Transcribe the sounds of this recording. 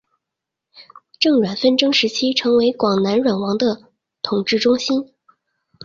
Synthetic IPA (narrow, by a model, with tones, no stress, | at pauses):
ʈ͡ʂɤ˥˩ŋɻwa˨˩nfə˥˩nʈ͡ʂɤ˥ŋʂɻ̩˧˥t͡ɕʰi˥ʈ͡ʂʰɤ˧˥ŋwe˧˥ɪkwɑ˨˩ŋna˧˥nɻwa˨˩nwɑ˧˥ŋd̪ə˧ | t̪ʰʊ˨˩ŋʈ͡ʂɻ̩˥˩ʈ͡ʂʊ˥ŋɕi˥n